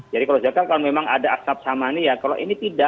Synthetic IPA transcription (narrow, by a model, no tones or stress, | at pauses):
d͡ʒadikalosakankalnmemaŋadaasap̚samanijakalo̰ʔinit̪ida